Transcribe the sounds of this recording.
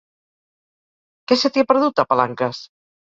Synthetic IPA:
kɛset̪iepəɾðut̪apalaŋkəs

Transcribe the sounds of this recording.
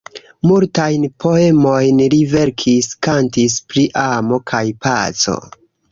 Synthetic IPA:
multajnpʰo̞emo̞jnɾive̞ɾkʰiskantis̬pɾiʔamo̞kʰajpat͡so̞̰

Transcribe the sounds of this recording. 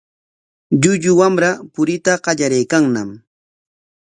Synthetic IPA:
ʎʊʎʊwamɾapʊɾɪt̪aɢɑʎaɾajkaŋnam

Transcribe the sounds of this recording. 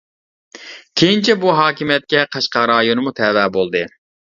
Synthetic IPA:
kʲʰejint͡ʃʰɛbuɦɑːkʲimijɛt̪̚kʲɛqʰɑʃqɑɾɑːjonɨmut̪ʰɛwɛːbolˠd̪ɨ

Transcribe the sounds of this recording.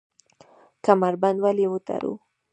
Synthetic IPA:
kamaɾband̪walewət̪a̰ɾṵ

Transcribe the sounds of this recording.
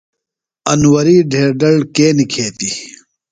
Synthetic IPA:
ɐnwɐɾiːɖʱeːɾɖɐɭkeːnikʰeːt̪i

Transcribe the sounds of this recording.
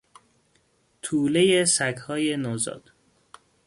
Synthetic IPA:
t̪ʰuːle̞jesækhɒːje̞nozɒ̰ːd̪̥

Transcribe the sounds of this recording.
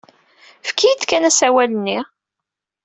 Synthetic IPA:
fkːijd̪kænæsæwælənːi

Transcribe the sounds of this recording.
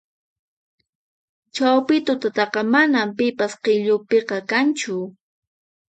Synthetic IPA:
t͡ʃawpɪt̪ʊt̪at̪ɑqɑmanampɪpasqeʎʊpeqɑkant͡ʃʊ

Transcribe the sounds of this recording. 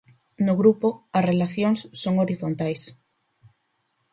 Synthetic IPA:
noɣɾupoasrelaθjoŋsːoŋoɾiθont̪ajs

